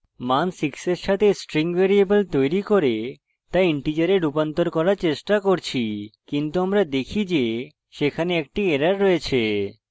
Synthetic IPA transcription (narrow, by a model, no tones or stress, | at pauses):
mansikseɾʃat̪ʰesʈɾiŋbeɾiebolt̪ojɾikoɾe | t̪ajiɳʈid͡ʑaɾeɖupant̪oɾkɔɾaɾt͡ɕeʃʈakoɾt͡ɕʰikint̪uamɾad̪ekʰid͡ʑe | ʃekʰaneɛk̚ʈieɾaɾːɔet͡ɕʰe